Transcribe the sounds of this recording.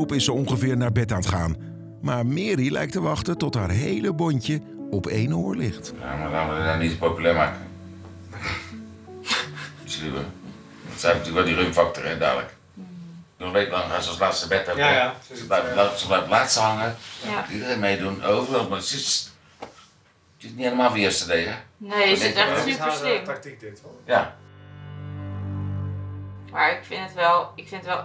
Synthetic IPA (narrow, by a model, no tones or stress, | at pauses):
upɪsəɔŋχəvɪːɹnaːɹbɛtaːntχaːn | maːɹmɪːɾilʔɛ̰jk̚təʋɑχtətɔtɦaːɹɦejləbɔɲcə | ɔpejnoːɹlɪχtja̰malaːnʋədanitpowpylɛːmaːkə | əslibə̰ | ɔ̰tsɛjɛfnətyləkʋɛlˠdirymfɑk̚torəda̰ːlə̰k | oənʋeːtəlɑŋasɔslaːtsəbɛtosblɛsəblɛjvəlaːtsəhaŋədidəɛmejdunoːvərolˠtmasɪs | sɪtnieləmaːlˠfiəstədejənesɛiɪm | ja | maɹɪkfɪnətʋɛlˠɪkfɪnətʋɛl